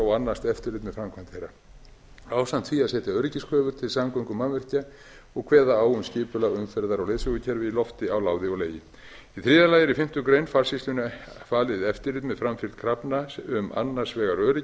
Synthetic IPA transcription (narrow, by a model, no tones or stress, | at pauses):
awanːast̪ɛft̪ɪɾlɪːt̪mɛðfɾamkʰvant̪hejɾa | aːwsan̥t̪fiaðsɛːt̪aœɾɪcɪskʰœːvʏɾ̥t̪ʰɪlsamkɔŋkʏmanvɛr̥ca | ɔɣkʰvɛːðaaːwʏmscɪːpʏlaʏmfɛɾðaɾawlejðsʏɣʏcʰɛɾvɪilɔft̪ɪawlaːwðɪɔɣleːjɪ | iθɾiːðaɾlaːjɪɾifɪm̥t̪ʏkɾejnfaɾ̥sislʏnfaːlɪðɛft̪ɪɾlɪːt̪mɛðfɾamfɪl̥t̪̚kʰɾapnaʏma̰nːḁsvɛːɣaɾœɾɪ